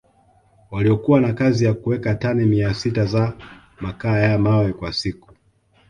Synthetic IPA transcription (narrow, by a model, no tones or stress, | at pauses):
waliɔkuwanakazijakuwɛkatanɛmiasitaza | makaːjamawɛkwasiku̥